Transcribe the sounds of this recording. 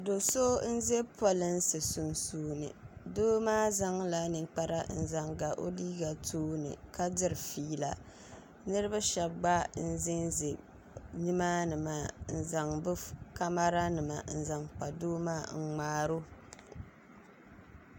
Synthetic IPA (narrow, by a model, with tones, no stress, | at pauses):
do˨so˦n̩˦ze˦pa˦lɨ˦nsɨ˨su˨nsuː˨˦nɨ̰˨doː˦maː˦za˦ŋla˨nɨ˨ŋk͡pa˦ɾa˦n̩˨za˨ŋɡa˨ʔo̰˦liː˦ɡa˨tʰoː˦nɨ̰˨ka˦dɨ˦ɾɨ˨fiː˦la̰˨ | nɨ˦ɾɨ˦ba˦ʃɛ˨b̚ɡ͡ba˦n̩˦zɪ˦nze˨ | ni˦ma˦nɨ˨maː˦˨n̩˨za˨ŋbɨ˦ka˦ma˦ɾa˦nɨ˨ma˨n̩˨za˨ŋk͡pa˨doː˦maː˦ŋ̩˨ŋ͡maː˦ɾo˦